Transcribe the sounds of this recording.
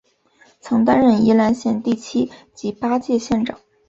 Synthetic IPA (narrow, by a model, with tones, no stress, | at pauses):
t͡sʰɤ˧˥ŋt̪a˥nɻə˥˩ni˧˥la˧˥nɕjɛ˥˧nt̪i˥˩t͡ɕʰi˥t͡ɕi˧˥pa˥t͡ɕjɛ˥˧ɕjɛ˥˩nʈ͡ʂɑ˨˩˦